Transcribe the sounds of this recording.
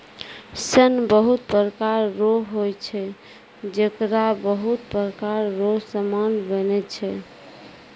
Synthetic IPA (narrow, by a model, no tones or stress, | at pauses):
sənbəɦut̪pɾəkaɾːoɦɦojt͡ʃʰɛ | d͡ʒəkɾabəɦut̪pɾəkaɾːoɦsəmanbənɛt͡ʃʰɛ